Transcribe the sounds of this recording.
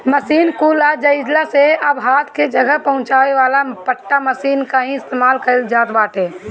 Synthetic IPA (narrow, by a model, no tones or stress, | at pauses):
məsiːnkulad͡ʒəɪd͡ʒlaseəbɦaːt̪ʰked͡ʒəɡəpəɦʊ̃t͡ʃaːeʋaːlapəʈːaməsiːnkaɦĩɪst̪emaːlkəɾld͡ʒaːt̪baːʈʰeː